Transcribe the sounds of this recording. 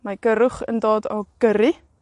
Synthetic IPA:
məjkəɾuχə̰ndɑːdɑ̰lˠɡ̥əɾi

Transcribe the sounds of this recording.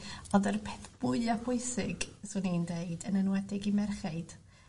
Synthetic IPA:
ɔndərpʰɛθb̥ʊɨlapʰʊɨsɪɡsunindeɨdənənwɛdɪɡimɛrχaɨd̥

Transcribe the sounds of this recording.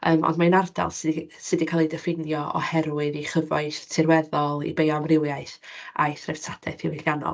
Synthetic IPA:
ʔə̰ːmɔ̰ndmaɨnarda̰lˠsɨdsɨdikʰalˠidəfɪnjɔɔ̰hɛɾwɨðiχəvɔɨθtʰɪrwɛðɔlˠḭbejɔmrɪwjaɨθa̰jθrɛv̥tʰad̥ʰɛ̰θiwɪljanɔ̰lˠ

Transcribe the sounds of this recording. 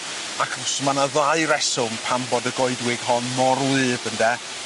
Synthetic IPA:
akʰɔsmanaðaɨɾɛsʊmpʰambɔdəɡɔɨdwɪɡ̥hɔnmɔrwɨːbəndɛ

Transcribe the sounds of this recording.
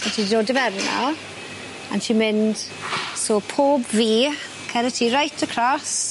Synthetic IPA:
anʃʰidoːdəvɛrnɔ̰ | a̰nʃimɪnd̥ | soːpʰoːbviː | kʰɛnətʰiɾajtʰəkʰɾ̥ɔs

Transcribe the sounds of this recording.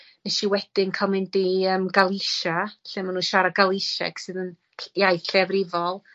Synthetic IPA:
nɛʃiwɛd̥ɪnkʰamɪndiəmɡalˠɪʃaɬɨmanuːʃaɾaɡalˠɪʃɛ̰ksɨːðən | jajθɬɛvrɪvɔlˠ

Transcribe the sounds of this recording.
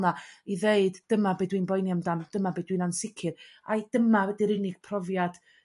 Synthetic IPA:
naiðeɨd̥ːəmabedwinbɔjnjamdamd̥əmabɨːdwinansɪkʰɨrad̥əmawɛdiɾɪnɪɡ̥̚pʰrɔvjad̥

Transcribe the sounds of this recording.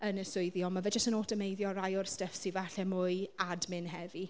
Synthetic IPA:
ənəsʊɨðiɔmavɛd͡ʒəstənoːtəmejðjɔɾajʊrstəfsivaɬɛmʊɨadmɪnɦɛvi

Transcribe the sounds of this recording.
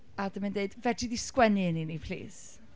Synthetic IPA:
adəmandeɨdvɛdiðiskwɛniəninipʰl̥ḭːs

